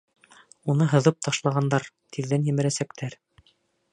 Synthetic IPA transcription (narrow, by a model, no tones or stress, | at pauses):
unɤɦɤ̆ðɤp̚t̪ɑʃlˠɑʁɑnd̪ɑɾt̪ʰiðːænjɘ̆mɘ̆ɾæsækt̪ʰæɾ